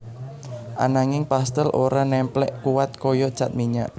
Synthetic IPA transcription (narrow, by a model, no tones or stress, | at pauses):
ʔanaŋɪŋpast̪əlʔoɾanɛmplɛ̰ʔkuwat̪̚kɔjɔd̥t͡ʃat̪̚miɲa̰ʔ